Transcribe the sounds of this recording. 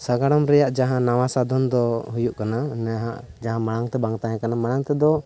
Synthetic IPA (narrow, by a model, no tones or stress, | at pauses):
saɡaɽɔmɾɛjaʔd͡ʒaɦãnawasad̪ɔnd̪ɔɦujuʔkananɛɦaʔ | d͡ʒaɦãmaɽaŋt̪ɛbaŋt̪aɦɛ̃kanamaɽaŋt̪ɛd̪ɔ